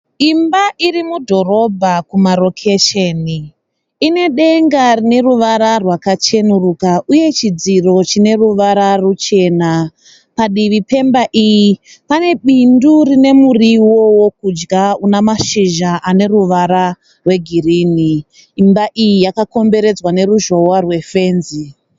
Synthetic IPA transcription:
imbaʔirimudʱo̞ro̞bʱakumaɾo̞kʰeʃeni | ine̞ɗe̞ŋɡarine̞ruʋaɾarwakat͡ʃe̞nurukaʔuje̞t͡ʃid͡ziro̞t͡ʃine̞ruʋaɾarut͡ʃe̞ːna | paɗiʋipe̞mbaʔijipane̞ɓindurine̞muriwwowok̚ud͡ʒɡaunamaʃiʒaʔane̞ruʋaɾa | rwe̞ɡʱiriniː | mbaʔijijakako̞mbe̞ɾe̞d͡zwane̞ruʒo̞warwe̞fe̞ːnzi

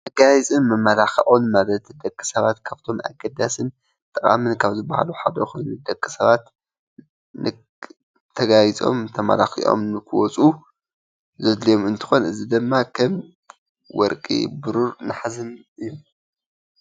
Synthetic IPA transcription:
t̪ɐɡajt͡sʼɨnmɐmːɐlaxɐʔonmaβɐt̪ʰd̪ɐkʼːɨ̥sɐβat̪kʰaβt̪ʰo̞ma̰ɡɐd̪asɨn | t̪ʼɨkʼa̰mɨnkʰaβzɨba̰ha̰luħad̪ɐjxonud̪ɐkʼːɨsɐβat̪ | nɨ | t̪ʰɐɡajit͡sʼo̞̰mt̪ʰɐmɐ̰laxḭʔo̰mnɨkʰɨwɔt͡sʼu | zɨd̪lijo̞mɨnt̪ʰɨ̥xo̞nʔɨzid̪ɨmːakʰɐm | wɔ̰ɾkʼḭbɨɾuɾnɨħazɨnʔɨjːu

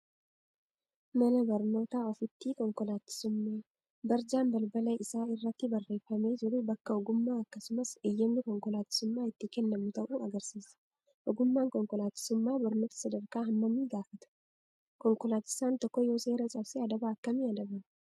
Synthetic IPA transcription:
mɐnɐbɐɾno̞ːt̪aːɔfɪt̪ːiːkɔŋkɔlaːt̪ːɪ̥sʊmːe | bɐɾd͡ʒaːnbɐlbɐlɐɪsaːɪrːɐt̪ːɪbɐrːe̞ːfːɐme̞ːd͡ʒɪɾʊbɐkːɐɔɡʊmːaːɐkːɐsʊmɐsɪjːɐmnɪkɔŋkɔlaːt̪ːɪ̥sʊmːaːɪt̪ːɪkɛnːɐmnɪt̪ɐʔuːɐɡɐɾsiːsɐ̥ | ʔɔɡʊmːaːŋkɔŋkɔlaːt̪ːɪ̥sʊmːaːbɐɾno̞ːt̪ɐ̥sɐd̪ɐɾkaːɦɐmːɐmːiːɡaːfɐt̪ʊ̥ | kɔŋkɔlaːt̪ːɪ̥saːnt̪ɔkːɔjo̞ːse̞ːɾɐt͡ʃʼɐbseɐd̪ɐbaːɐkːɐmiːɐd̪ɐbɐm

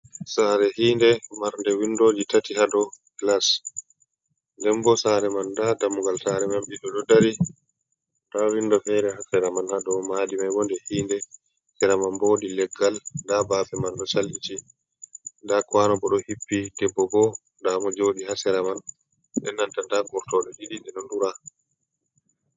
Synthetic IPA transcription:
saːɾɛhiːndɛmaɾndɛwindoːd͡ʒitatihaɗɔklas | ndɛmbɔsaɾɛmandadamuɡalsaɾɛmamɓiɗɔɗɔdaɾi | dawindɔfɛɾɛhasɛɾamanhaɗɔmaːdimajbɔndɛhiːndɛ | sɛɾamanboːdilɛɡːalndabaːbɛmanɗɔt͡ʃalʔiti | ndakwanɔbɔɗɔhipːidɛbːɔbɔ | ndamɔd͡ʒoːɗihasɛɾaman | ɗɛ̰nːantandaɡɔɾtɔɗɔɗiɗindɛɗɔnduɾa

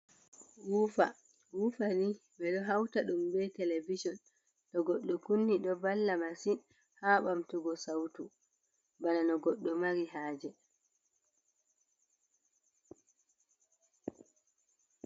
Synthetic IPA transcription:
wuːfa | wufanibɛɗɔɦawtaɗumbɛtɛlevid͡ʒɔn | ɗɔɡɔɗːɔkunːiɗɔbalːamasin | haːɓamtuɡɔsawtu | bananɔɡɔɗːɔmaɾiɦaːd͡ʒɛ

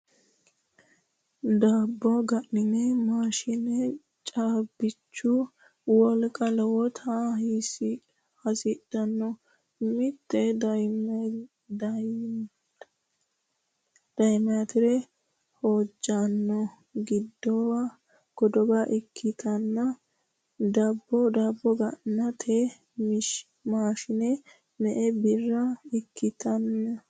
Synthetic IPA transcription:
d̪aːbːɔɡɐʔɪnɛmaːʃɪnɛ | t͡ʃʼaːbːɪt͡ʃːʊ | wɔlkʼɐlwɔt̪ʰas | hɐsɪd̪ɐnːɔ | mɪt̪ːɛd̪ɐj | d̪̥ɐjmɛjɐt̪ɪɾɛ | hoːd͡ʒːanːɔ | ɡɪd̪ːɔwa | ɡ̥ɔd̪ɔɡɐʔɪkʰːɪt̪ʰɐnːɐ | d̪ɐbːɔd̪ɐbːɔɡɐnːɐt̪ʰe | mɪʃ | maːʃɪnɛ | mɛʔɛbɪrːɐɪkʰːɪt̪ɐnːɐ

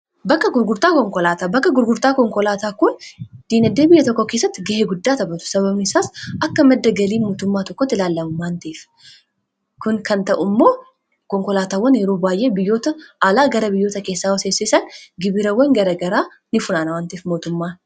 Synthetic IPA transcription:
bɐkːɐɡʊɾɡʊɾt̪aːkɔŋkɔlaːt̪aːbɐkːɐɡʊɾɡʊɾt̪aːkɔŋkɔlaːt̪aːkʊnd̪̥iːnɐd̪ːeːbɪjːɐt̪ɔkːokeːsːɐt̪ːɪɡɐheːɡʊd̪ːaːt̪ɐbɐt̪ʊ̥sɐβɐbnɪsaːsʔɐkːɐmɐd̪ːɐɡɐliːmoːt̪ʊmːaːt̪ɔkːɔt̪ːɪlaːlːɐmʊmaːnt̪iːf | kʊnkɐnt̪ɐʔʊmːo̞ː | kɔŋkɔlaːt̪aːwːɐnjɛɾoːbaːjʔe̞ːbɪjːo̞ːt̪ɐaːlaːɡɐɾɐbɪjːo̞ːt̪ɐke̞ːsːaːwɐseːsɪsɐnɡɪbɪɾɐwɐŋɡɐɾɐɡɐɾaː | nɪfʊnaːnɐwɐnt̪iːfmo̞ːt̪ʊmːaː

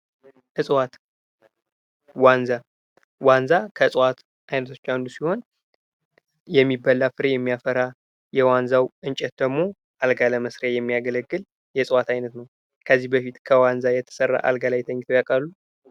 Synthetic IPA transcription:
ʔɨsʼwat̪ | wanza | wanzakʰəsʼwat̪ | ajnət̪ʰo̞̥t͡ʃːand̪usiho̞n | jɛmːibːalːafɨɾejɛmːijafəɾa | jɛwanzawʔɨnt͡ʃʼɛt̪̚d̪əɡmo̞ | ʔalɡaləməsɾajɛmːiaɡələɡːɨl | jɛsʼwat̪ʰajnət̪nəw | kʰəzːihbəfit̪kʰəwanzajɛt̪ʰə̥sərːa̰ʔa̰lɡalajt̪ʰəɲːt̪ʰəwjakʼalːu

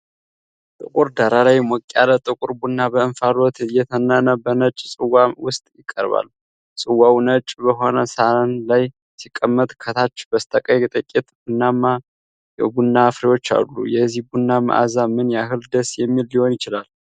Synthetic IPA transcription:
t̪ʼɨkʼuɾd̪aɾalajmɔkʼːalət̪ʼɨkʼuɾbunːabəɨnfaɾot̪ʰjɛt̪ʰənːənəbənət͡ʃʼsʼɨwawʊst̪ʼjɪkʼːə̰ɾβa̰lːu | sʼɨwawnət͡ʃʼbəɦo̞nəsaənlaj | sikʼːəmːət̪ʼkʰət̪ʰat͡ʃːbəst̪ʰʼəkʼəjt̪ʼəkʼet̪bunːama | jɛbunːafɾiwo̞t͡ʃːa̰lːṵjɛzihbunːama̰ʔa̰zamɨnjaɦɨld̪əsjɛmːilːiho̞njɪt͡ʃɪlal

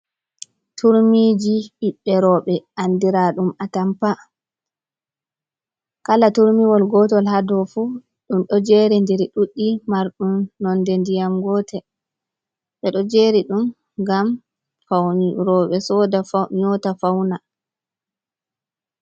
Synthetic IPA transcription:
tʰuɾmiːd͡ʒiʔiɓːɛɾɔːɓɛʔandiɾaɗumatampa | kalatuɾmiwɔlɡɔtɔlhadɔfu | ɗumɗɔd͡ʒeɾɛndɛɾiɗuɗːimaɾɗumnɔndɛndijamɡɔtɛ | ɓɛɗɔd͡ʒeɾiɗum | ɡam | faɾɔɓɛsɔdaɲɔtafawna

